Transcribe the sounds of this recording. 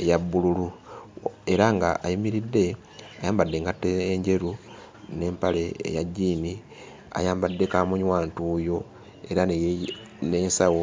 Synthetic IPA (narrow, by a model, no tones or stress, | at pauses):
ejabːululu | e̞ɾaŋɡaʔajumiɾidːe̞ | ajaːmbadːe̞ːŋɡatːeːɲɟe̞ɾu | ne̞ːmpale̞̰ːjaɟiːni | a̰jaːmbadːe̞kamuɲwaːntujo̞ | e̞ɾa | ne̞ːnsawo̞